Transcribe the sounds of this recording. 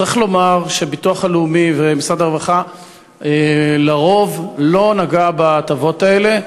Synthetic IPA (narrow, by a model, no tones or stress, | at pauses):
t͡sʁiχlo̞maʁʃe̞bit̪uaχaleumivemisʁad̪aʁvaχa | elaʁo̞vlo̞naɡabat̪avo̞tae̞le̞